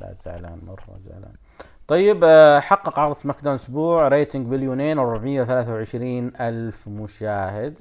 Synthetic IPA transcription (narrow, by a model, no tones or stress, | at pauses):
la̰ːza̰ʕla̰ːnmɑ̰rˤːɑ̰za̰ʕla̰ː | t̪ˤɑjːɪbħɑqːɑqʕɑɾˤɑsmakd̪aːnʔʊsbuːʕɾeːt̪ɪŋɡbɪljoːneːnwɾˤʊbʕmɪjːawθalaːθawʕɪʃɾiːnʔalfmʊʃaːhɪd̪